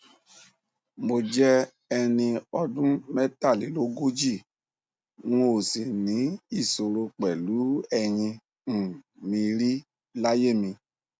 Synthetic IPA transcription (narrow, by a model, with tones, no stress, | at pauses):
mo˨d͡ʒɛ˦ | ɛ˧nĩ˧ɔ˧dũ˦mɛ˦ta˦˨li˨˦lo˦ɡo˦d͡ʒi˦˨ | no˦˨si˨nĩ˨˦i˦˨so˨ɾo˧k͡pɛ˨lu˨˦ɛ˧˨ɲĩ˧˨ | mĩ˧ɾi˦ | la˦je˦˨mĩ˧